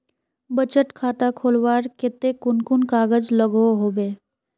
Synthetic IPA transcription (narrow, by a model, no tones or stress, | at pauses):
bət͡ʃəʈkʰaːt̪akʰoːlʋaːɾkɪt̪ekʊnkʊnkaːɡəd͡ʒləɡoɦoːbeː